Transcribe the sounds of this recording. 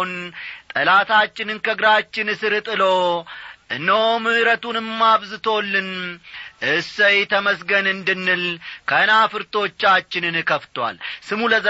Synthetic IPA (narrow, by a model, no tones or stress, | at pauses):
nt̪ʼəlat̪ʰat͡ʃːɪnɨnkʰəɡɾat͡ʃːɪnɨsɨɾɨt̪ʼɨlo̞ʔɨnːəwmɨɾət̪unɨmːaβzɨt̪ʰo̞lːɨnʔɨsəjt̪ʰəməsɡənɨnd̪ɨnːɨlkʰənafɨɾt̪ʰo̞t͡ʃːat͡ʃːɪnɨnkʰəft̪wa̰lsɨmuləz